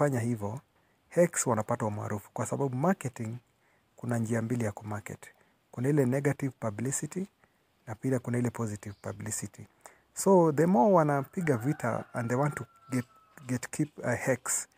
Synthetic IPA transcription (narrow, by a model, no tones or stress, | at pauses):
aɲahivɔ | hɛkswanapatauma̰ɾufu̥kwasabaɓumakɛtiŋ | kunand͡ʒiambilijakɔmakɛ̰t | kunailɛnɛɡativpablisiti | napiakunailɛpʰɔzitivpablisiti | soðɛmɔwanapiɠavitʰa̰ã̰nðeɪwɔ̃ntːu | ɡɛt̚ | ɡɛtkʰiphɛks